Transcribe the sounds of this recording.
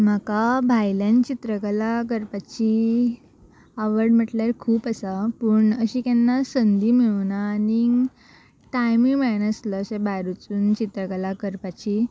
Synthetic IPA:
m̤akabʱajljant͡ɕit̪ɾəkəlak̬əɾpat͡ɕi | əʋəɾɽm̤əʈljaɾkʰuːpəsapəːɳəɕiːkɛnːasənd̪ʱiːmiʋnaːni | ʈajmimanəsləːɕebaɾut͡suːnt͡ɕit̪ɾəkəlakəɾpat͡ɕi

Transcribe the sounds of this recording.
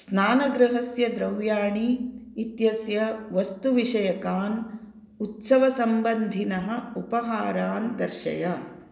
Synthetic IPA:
snaːnɐɡɾɐɦɐsjɐd̪ɾɐwjaːɳiːt̪jɐsjɐʋɐst̪uʋiʂɐjɐkaːn | ut̪sɐʋɐsɐmbɐnd̪ʱinɐɦɐ̆upɐɦaːɾaːnd̪ɐɾʃɐ̰jɐ

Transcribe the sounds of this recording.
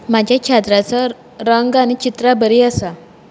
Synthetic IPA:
mad͡ʑʱjakʰat̪ɾat͡sə | ɾəŋɡaɽ̃it͡ɕit̪ɾabəɾiːəsa

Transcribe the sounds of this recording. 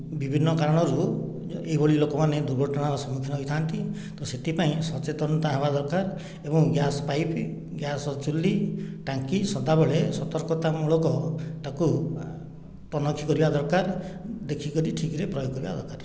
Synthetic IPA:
bibʱinːɔkaɾɔɽ̃ɔɾu | eɦibɔɭilokɔmaned̪uɾbʱɔʈɔɽ̃aɾɔsɔmukʰinɔɦit̪ʰant̪i | t̪ɔset̪ʰipaĩsɔt͡ʃet̪ɔnt̪aɦebad̪ɔɾkaɾ | ebɔŋɡjasɔpajp | ɡjasɔt͡ʃulːiʈaŋkisɔd̪abɔɭesɔt̪ɔɾkɔt̪amuɭɔkɔʈaku | t̪ɔnɔkʰːikɔɾibad̪ɔɾkaɾd̪ekʰikɔɾiʈʰikiɾepɾɔjokːɔɾiba̰d̪ɔɾkaɾ

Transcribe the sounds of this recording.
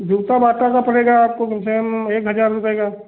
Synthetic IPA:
d͡ʒʱuːt̪abaːt̪akapɐɽ̤eːɡaaːp̚kokɪmsemeːkɦɐd͡ʒaːɾːʊpeːɡaː

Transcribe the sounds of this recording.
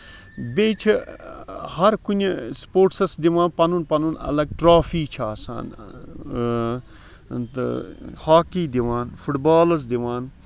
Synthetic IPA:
beːt͡ʃʰi | hɐɾkunʲspoːʈsɐsd̪iʋaːnpɐnunpɐnunɐ̰lɐɡ̚ʈɾaːfiːt͡ʃʰaːsa̰ːn | t̪haːkiːd̪iʋaːnfʰuʈbaːlɐs̬d̪iʋaːn

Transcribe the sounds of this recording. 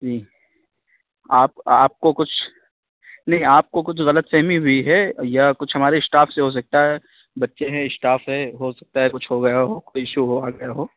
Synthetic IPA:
d͡ʒiː | aːp̚aːp̚kokʊt͡ʃʰ | nɐɦĩaːp̚kokʊt͡ʃʰɣɐlət̪sɛɦmiɦʊiɦɛjakʊt͡ʃʰɦɐmaːɾesʈaːfseɦos̬ɐk̚t̪aɦɛ | bɐtːʃeɦɛ̃ɪsʈaːfɦɛ̃ɦosɐk̚t̪aɦɛkʊt͡ʃʰɦoɡɐjaɦoːkoiɪʃuɦoaɡɐjaɦoː

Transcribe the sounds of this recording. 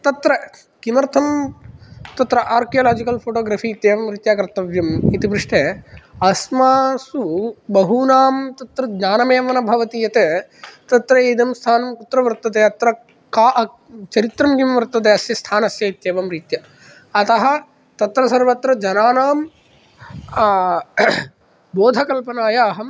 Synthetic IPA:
t̪ɐt̪ɾɐ | kimɐɾt̪ʰɐm | t̪ɐt̪ɾɐʔaːɾkijoːlaːd͡ʒikɐlpʰoːʈoːɡɾaːfiːt̪jeːʋɐmɾit̪jaːkɾɐt̪ːɐʋjɐmit̪ibɾiʂʈeɐsmaːsubɐɦunaːmt̪ɐt̪ɾɐd͡ʒɲaːnɐmeːʋɐnɐbʱɐʋɐt̪ijɐt̪et̪ɐt̪ɾɐeːd̪ʱɐmst̪ʰaːnɐmkut̪ɾɐʋɐɾt̪ːɐt̪̬eːɐt̪ɾɐ | kaːʔ | t͡ʃɐɾit̪ɾɐmjjɐmʋɐɾt̪ɐt̪̬eɐsjɐst̪ʰaːnɐsjɐit̪jeːʋɐmɾiːt̪jɐ | ɐt̪ɐɦɐ̆ | t̪ɐt̪ɾɐsɐɾʋɐt̪ɾɐd͡ʒɐnaːnaːm | boːd̪ʱɐkɐlpɐnaːjaːɦɐm

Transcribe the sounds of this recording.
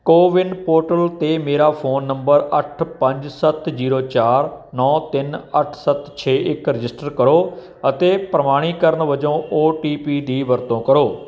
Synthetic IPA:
koːʋɪɳɖpoːʈəlt̪eːmeːɾaːpʰoːnːəmbəɾəʈʰpəɲd͡ʒsət̪ziːɾoːt͡ʃaːɾ | nɔ̃ːt̪ɪnəʈʰsət̪t͡ʃʰeːʔɪkɾɪd͡ʒɪsʈəɾkəɾoː | ət̪eːpɾəmaːɽ̃iːkəɾəɳʋəd͡ʒõːʔoːʈiːpiːd̪iːʋəɾt̪õːkəɾoː

